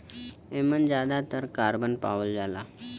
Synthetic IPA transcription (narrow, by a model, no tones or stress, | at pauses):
emənd͡zad̪at̪əɾkaɾbənpa̰ʋəld͡zala